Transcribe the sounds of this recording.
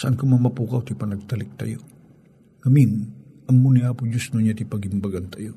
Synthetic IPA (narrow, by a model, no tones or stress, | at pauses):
saʔankomamapukawt̪ipɐnɐɡ̚t̪alɪk̚t̪a̰jo | ŋɐmin | ɐmːuniapʊd͡ʒʊsnʊɲat̪ipɐɡɪmbaɡant̪ajo